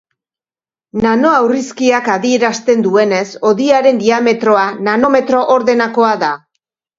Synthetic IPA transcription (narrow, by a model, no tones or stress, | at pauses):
nano̞awriskiakaðie̞ɾast̪e̞nd̪ue̞ne̞so̞ðiaɾe̞nd̪iame̞t̪ɾo̞anano̞me̞t̪ɾo̞ʔoɾðe̞nako̞aða